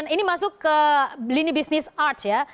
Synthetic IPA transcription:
ninimãsuk | linibisnesaʈʰja

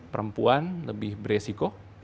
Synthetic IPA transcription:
pəɾəmpuanləbɪhbəɾesiko

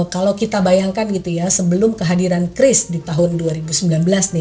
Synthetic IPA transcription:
kalawkit̪abajaŋkanɡit̪ujasəbəlʊmkəɦadiɾankɾɪsdit̪aɦʊnduaɾibusəmbilanbəlasnɪ

